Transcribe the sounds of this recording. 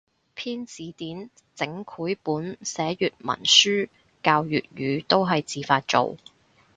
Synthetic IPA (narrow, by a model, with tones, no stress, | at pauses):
pʰiː˥nt͡siː˨˥t̪iː˨˥n | t͡sɪ˨˥ŋkʰuː˨˥jpuː˨˥nsɛː˨˥jyː˨t̚mɐ̰˨˩nsyː˥ | kaː˧wjy̰ː˨t̚ɥyː˨˧t̪o˥wɦɐ˨jt͡siː˨faː˧t̚t͡ʃo̰˨w